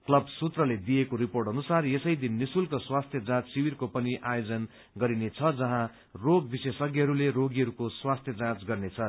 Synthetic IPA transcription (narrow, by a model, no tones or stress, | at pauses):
klʌbsut̪rʌled̪ijekoɾiporʈɦʌnusaresʌjd̪inːisulkoswast̪ʰjʌd͡zãt͡ssiwirkopʌniʔajod͡zʌn | ɡʌɾinet͡sʰʌd͡zʌɦã | roɡbisesʌɡiɦʌɾuleɾoɡiɦʌɾukoswast̪ʰjʌd͡zãt͡sɡʌrnet͡sʰʌ